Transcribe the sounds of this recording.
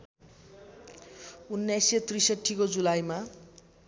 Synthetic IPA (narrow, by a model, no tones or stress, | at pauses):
unːjajset̪risʌʈʰːikod͡zulajma